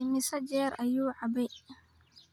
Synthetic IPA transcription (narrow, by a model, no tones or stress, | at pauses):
ɪmɪsɐd͡ʒɛːɾɐjuːʕɑbɛj